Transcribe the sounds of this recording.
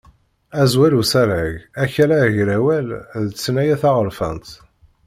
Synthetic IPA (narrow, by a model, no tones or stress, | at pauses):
æzwæɾusæɾæʝæçælæʝɾæwælðət͡sːnæjæθaʁəɾfə̰nt̪